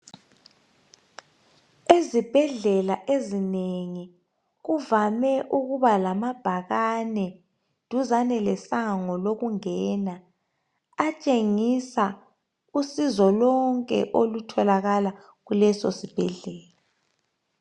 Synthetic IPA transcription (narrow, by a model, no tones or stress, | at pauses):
ezib̥ʱɛɮɛlaʔezineŋi | ɣuvamɛʔuɣuβalamab̥ʱaɣanɛ | d̥ʱuzanɛlɛsaŋɔloɣuŋɛːnaː | t͡ʃʼeŋisa | usizɔlɔŋkʼɛ̰ʔolutʰɔlaɣala | ɣulɛso̰sib̥ʱɛɮɛːla